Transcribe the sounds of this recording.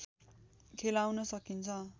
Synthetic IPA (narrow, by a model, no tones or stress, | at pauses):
kʰelawnʌsʌkint͡sʰʌ